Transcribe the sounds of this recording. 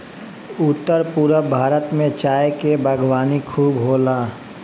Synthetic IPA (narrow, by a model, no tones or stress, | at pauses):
ʊt̪ːəɾpuːɾəbʱaːɾət̪mẽt͡ʃaːekebʱəɡwaːnikʰuːbɦoːlaː